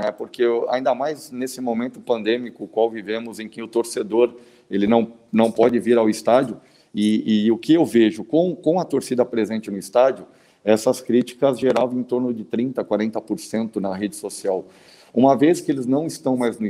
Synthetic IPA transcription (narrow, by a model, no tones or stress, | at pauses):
ɛpoɾkea̰ĩd̪ɐmajznesɪmomẽnt̪ʊpɐ̃nd̪ẽmikʊːkwawvivẽmʊzẽj̃kɪʊt̪oɾsed̪oɾ | elɪnɐ̃w̃ | nɐ̃w̃pɔd͡ʒɪviɾawɪst̪ad͡ʒjʊ | ɪɪʊkɪewveʒʊkõw̃kõw̃ɐt̪oɾsid̪ɐpɾezẽnt͡ʃɪnʊɪst̪ad͡ʒʊ | ɛsɐskɾit͡ʃi̥kɐzʒeɾavẽt̪oɾnʊd͡ʒɪt̪ɾĩnt̪ɐkwaɾẽnt̪ɐpoɾsẽnt̪ʊnɐɦed͡ʒɪsosiaw | ũmɐveskɪelɪznɐ̃w̃ɪst̪ɐ̃w̃majznʊ